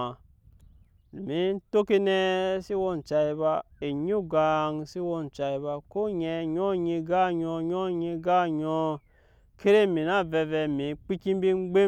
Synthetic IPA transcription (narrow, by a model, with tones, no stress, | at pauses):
lu˨mi˦n˦to˦ki˦ne˦si˦wo˦n˨t͡ʃa˨i˦βa˦e˨ɲu˦ɡa˨ŋsi˦wo˦n˨t͡ʃa˨i˨βa˦ko˦ɲɛ˧ɲo˦ɲi˧ɡa˦ɲɔ˧ɲɔ˦ɲi˧ɡa˦ɲɔ˦ | kʰe˦ɾe˦mi˨na˦vɛ˧vɛ˨mi˨˦k͡pi˦ki˦m˦bi˦ŋ͡mɡ͡be˦